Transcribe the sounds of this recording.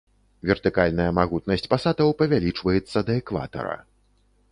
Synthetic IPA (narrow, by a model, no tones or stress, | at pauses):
vʲɛrt̪ɨkalʲnɐjɐmaɣut̪nɐsʲt͡sʲpasad̪ɐwpɐvʲalʲit͡ʂvɐjɛt̪sːɐd̪ɐɛkva̰t̪ɐ̰ɾɐ̰